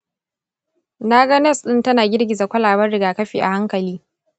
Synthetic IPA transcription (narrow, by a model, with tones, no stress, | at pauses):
na˦ɡɐ˦nɛ˦˨sɗɪ˦ntɐ˦naː˨ɡʲɪ˦rɡʲɪ˨za˨kʷɐ˦laː˨bɐ˦rɽɪ˨ɡaː˨kɐ˦ɸiː˨ʔa̰˨ha˦ŋkɐ˨liː˦